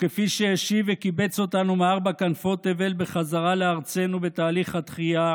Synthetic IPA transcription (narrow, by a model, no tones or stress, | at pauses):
ke̞fiʃejeʃivekibe̞t͡so̞t̪anumeaʁbakanfo̞t̪eve̞lbe̞χazaʁaleaʁt͡se̞nube̞t̪aːliχhat̪χija